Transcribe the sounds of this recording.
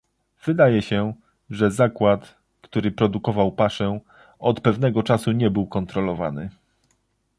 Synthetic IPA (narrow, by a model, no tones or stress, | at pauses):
v̥ɘd̪ajɛɕɛ | ʐɛzakwat̪ | kt̪uɾɘpɾɔd̪ukɔvawpaʂɛ | ɔt̪pɛvn̪ɛɡɔt͡ʂasuɲɛbɘwkɔnt̪ɾɔlɔvanɘ